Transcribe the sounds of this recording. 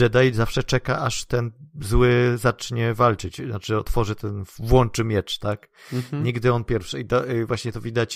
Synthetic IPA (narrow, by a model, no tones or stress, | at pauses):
ɛd̪ajizafʂɛt͡ʂɛka̰ʔaʂt̪ɛnzwɘzat͡ʂɲɛvalt͡ʂɘt͡ɕnat͡ʂɘɔt̪fɔʐɘt̪ɛnvwɔnt͡ʂɘmʲjɛt͡ʂt̪ak | ɲiɡd̪ɘɔnpʲjɛɾfʂɘit̪ɔvwaɕɲɛt̪ɔvʲid̪at͡ɕ